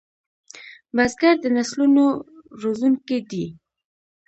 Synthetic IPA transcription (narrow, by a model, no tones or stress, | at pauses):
bazɡaɾd̪ənaslunoɾozuŋked̪i